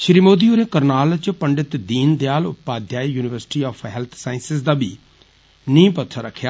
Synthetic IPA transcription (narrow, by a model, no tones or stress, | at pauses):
ʃɾimoːd̪iːuɾẽːkəɾnaːlt͡ʃpəɳɖɪt̪d̪iːnd̪jaːlʊpaːd̪ʱjaːijuːnɪʋəɾsɪ̥ʈiːaːpʰɦɛːlt̪ʰsaːɪnsɪsd̪aːbiː | nĩːpət̪ʰaɾəkʰːjaː